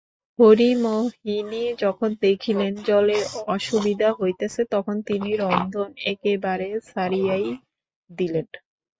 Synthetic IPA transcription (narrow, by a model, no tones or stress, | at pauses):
hoɾimoɦinid͡ʑɔkʰond̪ekʰilend͡ʑɔleɔʃubid̪ʱaɦojt̪esʰet̪ɔkʰont̪iniɾɔnd̪ʱonekebaɾesaɾiaj | d̪ilen